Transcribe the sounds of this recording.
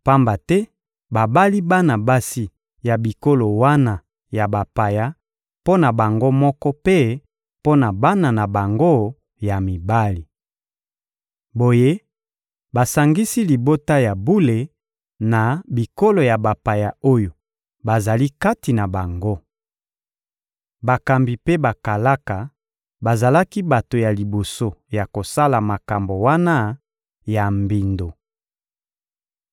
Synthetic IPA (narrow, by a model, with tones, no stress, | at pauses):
pa˦mba˨tɛ˦ | ba˨ba˦li˦ba˦na˨ba˦si˦ | ja˨bi˨ko˦lo˨wa˦na˨ | ja˨ba˨pa˨ja˦ | po˦na˨ba˨ŋɡo˦mɔ˦kɔ˦pe˦ | po˦na˨ba˦na˨na˨ba˨ŋɡo˦ | ja˨mi˨ba˦li˨ | bo˨je˦ | ba˨sa˨ŋɡi˦si˦li˨bo˦ta˦ja˨bu˦le˨ | na˨bi˨ko˦lo˨ja˨ba˨pa˨ja˨o˦jo˨ | ba˨za˨li˦ka˦ti˨na˨ba˨ŋɡo˦ | ba˨ka˨mbi˨pe˦ba˨ka˨la˦ka˨ | ba˨za˨la˦ki˦ba˨to˨ja˨li˨bo˨so˦ja˨ko˨sa˦la˨ma˨ka˨mbo˨wa˦na˦ | ja˨mbi˨ndo˨